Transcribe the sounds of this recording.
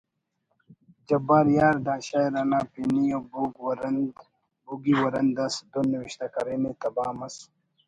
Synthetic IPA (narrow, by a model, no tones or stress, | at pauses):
d͡ʑɐbaːɾjaːɾd̪aːɕaːjɾɐnaːpinijobuɡwɾn | buɡiwɐɾɐnd̪ɐsd̪oniwiɕt̪ɐkɐɾemet̪ɐbaːmɐs